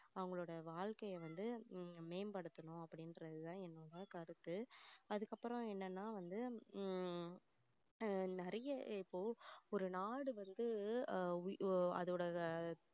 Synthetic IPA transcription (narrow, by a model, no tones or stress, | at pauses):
ɐʋɐŋɡɐɭoːɽɐʋaːɭkɐjɐʋɐnd̪ɯmeːmpɐɽɯt̪ːɐnʊ̃ɐpːɐɽɪnɾɐðɯt̪ãːɛnːoːɽɐkɐɾɯt̪ːɯɐðɯkːɐpːɯɾɔ̃ɛnːɐnːaːʋɐnd̪ɯ | nɛɾɐjɐɪpːoːɔɾɯnaːɽɯʋɐnd̪ɯ | ɐ̰ðɯɽɐ